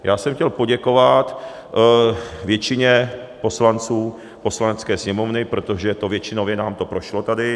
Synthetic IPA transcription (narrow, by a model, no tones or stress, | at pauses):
jaːsɛmxcɛlpo̞ɟɛko̞vat̪ | vjɛt͡ʃɪɲɛpo̞slant͡suː | po̞slanɛt͡skɛːsɲɛmovnɪpɾo̞t̪o̞ʒɛt̪ovjɛt͡ʃɪnovjɛnaːmt̪o̞pɾo̞ʃlot̪adɪ